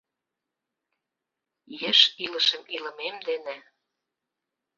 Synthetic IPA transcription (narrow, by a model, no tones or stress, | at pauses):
jə̆ʃilə̆ʃə̆milə̆memd̪enĕ